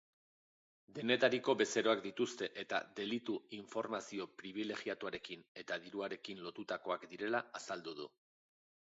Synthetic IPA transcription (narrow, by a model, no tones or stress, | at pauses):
d̪e̞ne̞t̪aɾiko̞βe̞se̞ɾo̞akd̪it̪ust̪e̞ʔet̪a̰d̪e̞lit̪uiɱfo̞ɾmasio̞pɾiβ̞ile̞ɣiat̪uaɾe̞kine̞t̪aðiɾuaɾe̞kinlo̞t̪ut̪ako̞akd̪iɾe̞laasald̪uð̞ṵ